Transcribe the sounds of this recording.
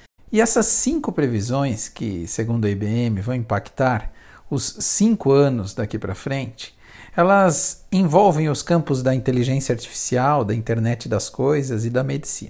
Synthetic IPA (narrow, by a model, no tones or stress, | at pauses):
ɪɛsɐsːĩŋkʊpɾevizõj̃skɪ̰seɡũnd̪ʊɐibeẽmɪvɐ̃w̃ĩpakt̪aɾ | ʊsːĩŋkʊɐ̃nʊzd̪akipɾɐfɾẽnt͡ʃɪ̥ | ɛlɐzẽvɔwvẽj̃ʊskɐ̃mpʊzd̪ɐĩnt̪eliʒẽsjɐaɾt͡ʃi̥fi̥siawd̪ɐĩnt̪eɾnɛt͡ʃɪd̪ɐskojzɐzɪd̪ɐmed͡ʒisḭ̃nɐ